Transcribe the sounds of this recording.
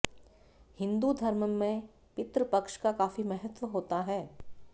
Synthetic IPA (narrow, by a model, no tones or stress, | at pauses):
hɪ̃nd̪ud̪ʱɐɾməmẽ | pɪt̪ɾəpɐkʃkakaːfimɛɦət̪ʋəɦoːt̪aɦɛː